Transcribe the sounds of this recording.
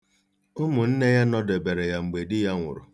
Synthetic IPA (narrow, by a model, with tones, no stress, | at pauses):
ʊ˦mʊ˨n̩˦ne˦ja˦nɔ˦de˨be˨ɾe˨ja˨ŋ͡m̩˨ɡ͡be˨dɪ˦ja˦ŋʷʊ̰˨ɾʊ˨